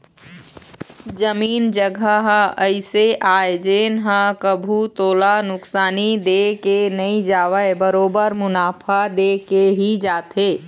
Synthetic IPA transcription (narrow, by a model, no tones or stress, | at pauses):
d͡ʒəmiːnd͡ʒəɡʱəɦə̃əɪseʔaːed͡ʒeːnɦə̃kəbʱut̪oːlanʊksaːnid̪ekenəĩd͡ʒaːwəbəɾoːbəɾmʊnaːpʰad̪ekeɦid͡ʒaːt̪eː